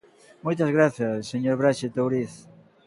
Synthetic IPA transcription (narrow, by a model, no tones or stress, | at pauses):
mojt̪ɐzɣɾaθjɐsːeɲoɾβɾaʃet̪owɾiθ